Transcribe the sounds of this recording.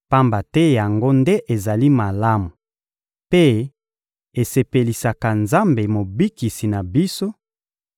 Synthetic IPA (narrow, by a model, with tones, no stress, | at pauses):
pa˦mba˨tɛ˦ja˨ŋɡo˦nde˦ʔe˨za˨li˦ma˨la˦mu˨ | pe˦ | e˨se˨pe˨li˨sa˨ka˨nza˦mbe˨mo˨bi˦ki˨si˨na˨bi˦so˦